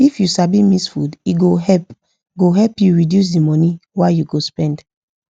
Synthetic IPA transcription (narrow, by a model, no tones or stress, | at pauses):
ifjusabimisfṵdiɡoɛp | ɡoɦɛlpjuɹidjus̬dimɔniwajuɡospɛ̃nd